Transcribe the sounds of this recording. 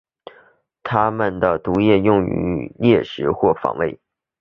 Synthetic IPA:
t̪ʰa˥mə˨nd̪ə˩t̪u˧˥jɛ˥˧jʊ˥˩ŋy̰˧˥ljɛ˥˩ʂɻ̩˧˥xwɔ˥˩fɑ̰˨˥ŋwe˥˩ɪ

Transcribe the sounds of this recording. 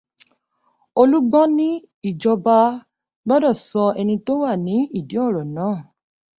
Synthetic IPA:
o˧lu˦ɡ͡bɔ̃˦nĩ˦ | i˦˨d͡ʒɔ˧ba˧ | ɡ͡bɔ˦dɔ˦˨sɔ˧ɛ˧nĩ˧to˦wa˦˨nĩ˨˦i˦˨di˨˦ɔ˦˨ɾɔ˨nãː˦˨

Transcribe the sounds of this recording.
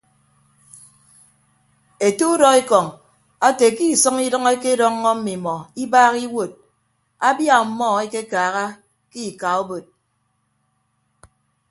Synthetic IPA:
e˨tu˦u˦dɔ˦e˦kɔ˨ŋ | a˦te˨ki˦˨sɔ˦ŋi˦dŋe˦ke˦dɔ˦ŋː˦ɔ˦m̩˦mi˨mɔ˨i˦baː˦ɣi˦wo˨t̚ | a˦bja˦˨m̩˨mɔ˦˨e˦ke˦kaː˨ɣa˦ | ki˦˨ka˨o˦bo˨t̚

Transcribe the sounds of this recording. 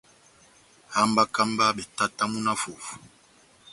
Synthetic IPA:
ha˦mba˦ka˦mba˦bɛ˨ta˦ta˦mu˦na˦fo˨fu̥˨

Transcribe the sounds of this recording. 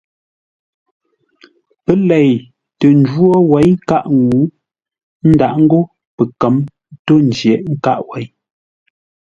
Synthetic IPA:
pə˦lɛ˨j | tə˨n˨˦dwo˦wɛ˨˦jka˦˨ʔŋɡu˨˦ | n̩˦da˨ʔŋ̩˦ɡo˦ | pə˨kə˨˦m | to˦n̩˨d͡ʒjɛ˨ʔŋ̩˦ka˦ʔwɛ˨˦j

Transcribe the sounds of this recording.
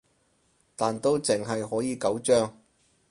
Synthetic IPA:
t̪aː˨nt̪o˥wt͡sɪ˨ŋɦɐ˨jhɔː˨˥jiː˨˧kɐ˨˥wt͡ʃœː˥ŋ

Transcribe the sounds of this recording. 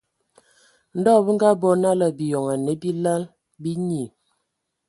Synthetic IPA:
n̩˦dɔ˦˨bə˦ŋ˦ɡa˦bɔ˦na˦la˨bi˨jɔ˨ŋa˨ne˨˦bi˦la˦l | bi˦ɲi˨

